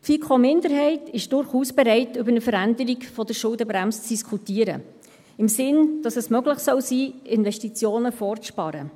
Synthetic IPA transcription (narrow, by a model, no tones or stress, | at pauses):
tfikʰomɪndəɾɦɛɪtʰɪʃd̥ʊɾχuːsb̥ɛɾɛɪtʏbəɾnəfəɾændəɾikfɔdəɾʃʊldəbɾæmst͡sd̥iskʰχutiːəɾə̰ | ɪmsɪnd̥ɑsɛsmœɡləχsœwsiːɪnvɛʃtit͡sjoːnəfɔːrt͡sʃpɑɾə̰